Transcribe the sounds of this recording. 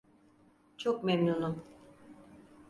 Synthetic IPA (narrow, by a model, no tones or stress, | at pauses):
t͡ʃʰokmemnunu